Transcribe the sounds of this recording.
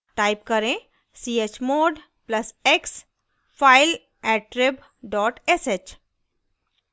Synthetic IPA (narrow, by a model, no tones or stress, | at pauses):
ʈaɪpkəɾẽ | siet͡ʃmoːɖ | plɐseks | fʰaɪl | ɛʈ̚ɾɪb | ɖɔːʈeset͡ʃ